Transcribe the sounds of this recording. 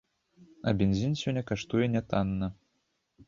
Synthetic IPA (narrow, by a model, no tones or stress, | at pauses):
ɐ̰bʲɛnʲzʲinsʲɔnʲːɐkaʂt̪ujɛnʲɛt̪anːɐ